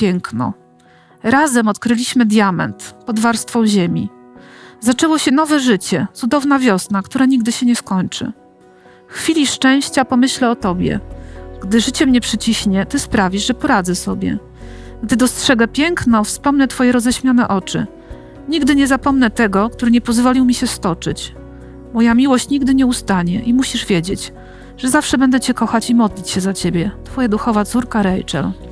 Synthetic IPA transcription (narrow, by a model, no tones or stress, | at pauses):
pʲjɛŋknɔ̰ | ɾazɛmɔt̪kɾɘlʲiɕmɘd̪ʲjamɛ̰nt̪pɔd̪vaɾst̪fɔ̃w̃ʑemʲḭ | zat͡ʂɛwɔɕɛn̪ɔvɛʐɘt͡ɕɛt̪sud̪ɔvnavʲjɔsnakt̪uɾaɲiɡ̚d̪ɘɕɛɲɛskɔɲt͡ʂɘ̰ | fxfʲilʲiʂt͡ʂɛ̃w̃ɕt͡ɕapɔmɘɕlɛɔt̪ɔbʲjɛ̰ɡ̥d̪ɘʐɘt͡ɕɛmɲɛpʂɘt͡ɕiɕɲɛt̪ɘspɾavʲiʐʐɛpɔɾad̪zɛsɔbʲjɛ̰ | ɡd̪ɘd̪ɔstʂɛɡɛpʲjɛŋknɔfspɔmnɛt̪fɔjɛɾɔzɛɕmʲjanɛʔɔt͡ʂɘ̰ | ɲiɡd̪ɘɲɛzapɔmnɛt̪ɛɡɔkt̪uɾɘɲɛpɔzvɔlʲiwmʲiɕɛst̪ɔt͡ʂɘ̰t͡ɕ | mɔjamʲiwɔɕt͡ɕɲiɡd̪ɘɲɛust̪aɲɛʔimuɕiʐvʲjed͡ʑet͡ɕ | ʐ̥ɛzafʂɛbɛnd̪ɛt͡ɕɛkɔxat͡ɕimɔd̪lʲit͡ɕɕɛzat͡ɕebʲjɛt̪fɔjad̪uxɔvat̪suɾkaɾɛjt͡ʂɛ̰l